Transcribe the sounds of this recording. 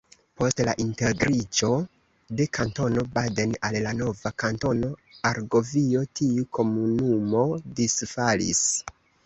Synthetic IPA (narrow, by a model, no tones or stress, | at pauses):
po̞stla̰ʔinteɡɾid͡ʒo̞ | de̞kʰanto̞no̞badenallano̞vakanto̞no̞aɾɡo̞vio̞tiukʰo̞munumo̞disfalḭs